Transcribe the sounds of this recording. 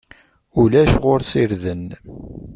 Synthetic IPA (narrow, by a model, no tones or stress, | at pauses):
ulæʃʁoɾsiɾðən